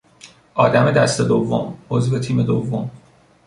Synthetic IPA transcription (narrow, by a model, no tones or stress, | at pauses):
ʔɒːd̪æme̞d̪æst̪e̞d̪ovːo̰mozvet̪ʰiːme̞d̪ovːom